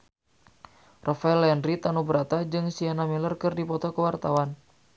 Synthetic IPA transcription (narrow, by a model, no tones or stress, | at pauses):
rʔafaɛlɛndrit̪anubəɾat̪ad͡ʒɨŋsianamilərkɨrdipɔt̪ɔkəwart̪awan